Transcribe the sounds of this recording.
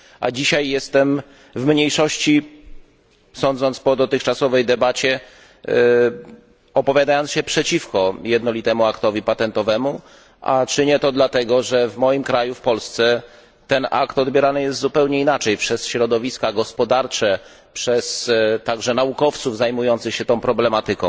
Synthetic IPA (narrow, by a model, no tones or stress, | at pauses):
ʔa̰d͡ʑiɕajːɛst̪ɛm | vmɲejʂɔɕt͡ɕi | sɔnd̪zɔnt̪spɔd̪ɔt̪ɘxt͡ʂasɔvɛjd̪ɛbat͡ɕɛ | ɔpɔvʲjad̪ajɔnt̪ɕɛpʂɛt͡ɕifkɔjɛd̪nɔlʲit̪ɛmuakt̪ɔvʲipat̪ɛnt̪ɔvɛmu | ʔa̰t͡ʂɘɲɛt̪ɔd̪lat̪ɛɡɔʐɛvmɔjimkɾajufpɔlst̪sɛ | t̪ɛna̰kt̪ɔd̪bʲjɛɾanɘjɛst̪zupɛwɲɛinat͡ʂɛjpʂɛsɕɾɔd̪ɔvʲiskaɡɔspɔd̪aɾt͡ʂɛ | pʂɛst̪aɡʐɛnaukɔft̪suvzajmujɔnt̪sɘxɕɛt̪ɔ̃w̃pɾɔblɛmat̪ɘkɔ̃w̃